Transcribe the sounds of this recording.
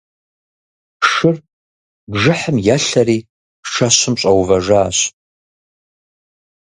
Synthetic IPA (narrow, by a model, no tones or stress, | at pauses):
ʂɨr | bʐɨħəmjaːɬɐɾiː | ʂɐɕʊmɕʼɐwvɐʐaːɕ